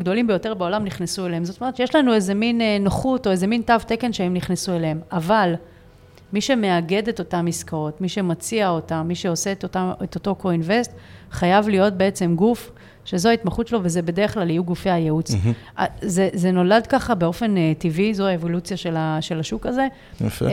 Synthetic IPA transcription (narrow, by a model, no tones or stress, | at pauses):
ɡd̪o̞limbejo̞te̞ʁbeo̞lamniχnesuelehemzotomeett͡ʃjeʃlanuezeminenoχuto̞eze̞mintavteke̞nʃeemniχnesuelehemaval | miʃe̞me̞aɡe̞de̞to̞tamːiskaʁo̞tmiʃe̞mat͡siao̞tammiʃe̞o̞se̞taet̪o̞to̞ko̞inve̞stχajavlijo̞t̚be̞et͡se̞mɡuf | ʃe̞zoaitmaχutt͡ʃʃelo̞vezebe̞deʁeχlalijuɡufejajeut͡sʔa̰zezeno̞ladkaχabe̞o̞fe̞netivizoaevo̞lut͡sjaʃelaʃe̞laʃukaze̞ | f